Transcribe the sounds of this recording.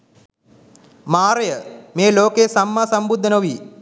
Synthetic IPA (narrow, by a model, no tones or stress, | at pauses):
maːɾəjəmeːloːkesamːaːsambud̪ʱːənəʋiː